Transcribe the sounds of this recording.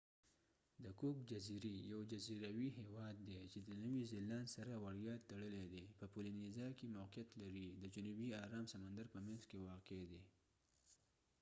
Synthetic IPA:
d̪əkukd͡ʒaziɾejawd͡ʒaziɾawiɦewɑd̪ːet͡ʃed̪ənəwizɪlːansaɾawaɽjɑt̪t̪ːaɽəled̪epəpulinizɑkemawqijat̪laɾid̪əd͡ʒʊnubiɑɾɑːmsamand̪aɾpəmẽnzkewɑqed̪e

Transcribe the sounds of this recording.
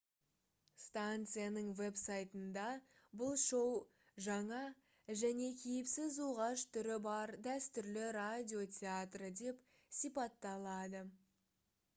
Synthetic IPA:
st̪ant̪sɨjanəɴve̞psajt̪ənd̪ɑ | bʊlˠʃow | ʒɑɴɑ | ʒæne̞kʲʰejɪpsɪzuʁɑʃt̪ʰʏɾɪbɑɾd̪æst̪ʏɾlɪɾadʲio̞tʲʰeat̪rəd̪e̞p | sijpɑt̪ːɑlˠɑd̪ə

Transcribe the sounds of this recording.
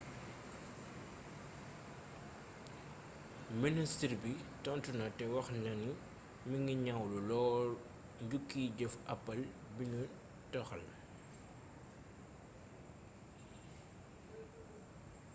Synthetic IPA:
ministirbitɔntunɐtɛwɐxnɐnu | miŋɡiɲawlulɔː | ɲɟukːiɟɔfʔɐpːɐlbinu | tɔxɐl

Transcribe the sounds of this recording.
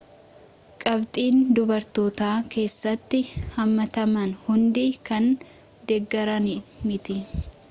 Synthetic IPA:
kʼɐbt̪ʼiːnd̪ʊbɐɾt̪oːt̪aːke̞ːsːɐt̪ːɪhɐmːɐt̪ɐmɐnhʊnd̪ikɐn | d̪ɛɡːɐɾɐnimɪt̪ɪ

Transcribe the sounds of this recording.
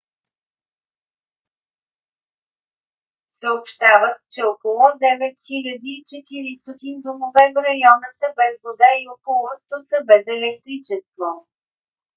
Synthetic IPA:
səopʃt̪avət̪t͡ʃɛokolˠɔd̪ɛvɛt̪xilʲɐd̪iːt͡ʃɛt̪iɾist̪ɔt̪ind̪omovɛvɾɐjɔnəsəbɛzvod̪aiokolˠɔst̪osəbɛzɛlɛk̚t̪ɾit͡ʃɛst̪vo

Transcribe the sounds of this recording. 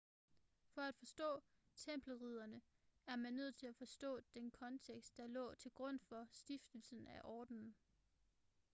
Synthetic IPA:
fɒ̽æd̥fɒ̽sd̥ɔ̰̽ː | t͡sʰem̰b̥lʁið̞̰ˠɐnə | æɐmænːøð̞̰ˠt͡sʰe̝læfɒ̽sd̥ɔ̰̽ːd̥enkʰɒ̽nt͡sʰeɡ̥sd̥ːɑ̈lɔ̰̽ːt͡sʰe̝lɡ̥ʁɔ̽n̰fɒ̽sd̥ifd̥əl̩sn̩æʔɒːd̥nn̩

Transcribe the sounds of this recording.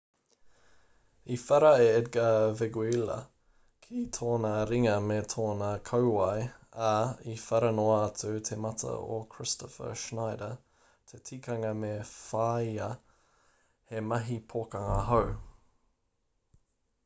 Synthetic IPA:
ifɛɾɐeɛd̚ɡɐvɛɡuilɐ̰ | kʰit̪ʰoːnɐɾɪŋɐmet̪ʰoːnɐkʰɐʊwɑjaifɛɾɐnoɐːt̪ʰʉt̪ʰemɐtʰə̰o̰kʰɹɪstʰɔfə̰ʃnaɪdə | t̪ʰet̪ʰiːkʰɐŋɐmefaiɐ | hemɐɦipʰoːkɐŋɐɦɐw

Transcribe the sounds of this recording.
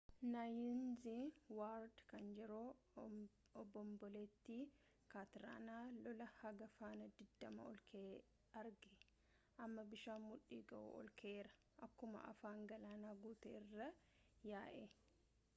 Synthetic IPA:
najɪnziwaːɾd̪kɐnd͡ʒɛɾoː | ɔbɔmbɔleːt̪ːi | kaːt̪ɪɾa̰ːnaːlɔlɐhɐɡɐfaːnɐd̪ɪd̪ːɐmɐ̰ɔ̰lkʰe | ɐɾɡɪ | ʔɐmːɐbɪʃaːmmʊᶑːiːɡɐʔṵɔ̰lkʰeːɾɐ̥ | ʔɐkːʊmɐ̰ʔɐ̰faːŋɡɐlaːnaːɡuːt̪ḛɪrːɐ | jaːʔeː

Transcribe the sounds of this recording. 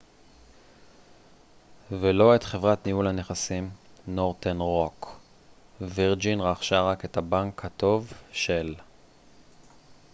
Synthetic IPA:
velo̞e̞t̪χe̞vʁatniulhane̞χasimno̞ʁt̪enʁo̞k | viʁd͡ʒinʁaχʃaʁake̞thabaŋkhat̪o̞vʃel

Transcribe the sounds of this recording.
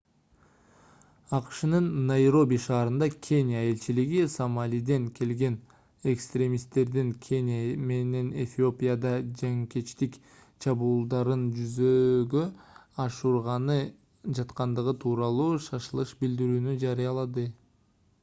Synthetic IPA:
ɑqʃɯnɯnːajɾo̞bʲiʃɑːɾɯnd̪ɑkʲʰe̞nʲjae̞lʲt͡ʃiliɡisomalʲijd̪e̞ŋkʰʲe̞lɡe̞n | e̞kst̪ɾʲe̞mʲist̪e̞ɾd̪iŋkʲʰe̞nʲjame̞ne̞ne̞fʲio̞pʲijad̪ɑd͡ʒeŋkʲet͡ʃt̪ik | t͡ʃʰɑβuːlˠd̪ɑɾɯnd͡ʒyzøɡøɑʃuɾʁɑnɯ | d͡ʒɑt̪qɑnd̪ɯʁɯt̪ʰuːɾɑlˠuːʃɑʃɯlˠɯʃbild̪iɾyːnyd͡ʒɑɾɯjɑlˠɑd̪ɯ

